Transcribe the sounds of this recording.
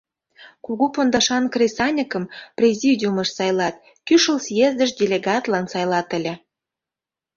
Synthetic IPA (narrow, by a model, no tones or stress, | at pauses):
kuɣupond̪ɑʃɑnkrʲesɑnʲikə̆mprʲezʲidʲuməʃsɑjlɑt̪ | kyʃəlsjezd̪əʃdʲelʲeɡɑt̪lɑnsɑjlɑt̪ə̆lʲĕ